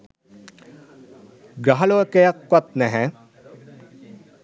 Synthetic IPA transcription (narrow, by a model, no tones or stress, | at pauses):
ɡɾaɦɐloəkejakːɔt̪̚nɛɦɛ